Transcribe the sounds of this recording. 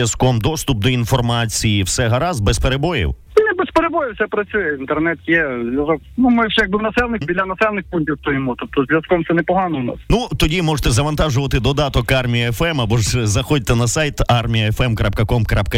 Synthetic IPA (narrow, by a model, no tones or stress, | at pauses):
jɐskɔmd̪ɔst̪ʊp̚d̪ɔinfɔrmɑt͡sʲijiwsɛɦɐɾɑzbɛspeɾebɔjḭw | nʲɛbespeɾebɔjɪwsɛpɾɐt͡ssʲujɛint̪ɛrnɛt̪jɛzjʲɐzɔknumɪʒɛjɐɡ̚bɪwnɐsɛlˠnɪbʲilʲɐnɐsɛlˠnɪxpunʲtʲiwt̪ɔjɔmut̪ɔp̚t̪ɔzʲʋʲjɐskɔmt̪sɛnɛpɔɦɑnɔʊnɑ̰snut̪ɔdʲimɔʒet̪ɛzɐʋɐnt̪ɑʒʊʋɐt̪ɪd̪ɔd̪ɑt̪ɔkɑrmʲijɐɛfɛmɐbɔʒzɐxɔd̚ʲt̪ːɛnɐsɑjt̪ɑrmʲijɐɛfɛmkɾap̚kɐkɔmkɾap̚kɐ